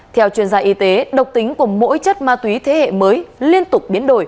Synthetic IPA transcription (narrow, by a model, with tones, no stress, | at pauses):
t̪ʰɛ˧wt͡ɕwi˧˩ənzaː˧ʔi˧t̪e˨˦ɗə˨˩wk͡p̚t̪ï˨˦ŋ̟ku˧˩əmo̰˧˥jt͡ɕə˦˥t̚maː˧t̪wi˨˦t̪ʰe˨˦hḛ˧˨məː˨˦jli˧ənt̪ʊ˨˩k͡p̚ɓi˨˦ənɗo˧˩j